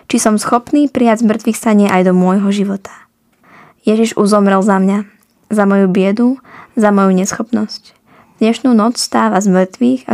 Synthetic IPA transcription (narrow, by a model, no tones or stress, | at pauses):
t͡ʃisɔmsxɔpniːpɾijazmr̩t̪ʋiːxsaɲɪɛʔajd̪ɔmʊɔjɦɔʒiʋɔt̪ʰḁ | jɛʒiʒuzɔmɾɛlzamɲa | zamɔjubɪɛd̪uzamɔjuɲɛsxɔpnɔsc | d̪̥ɲɛʃnuːnɔt͡sst̪aːʋazmr̩t̪ʋiːɣa̰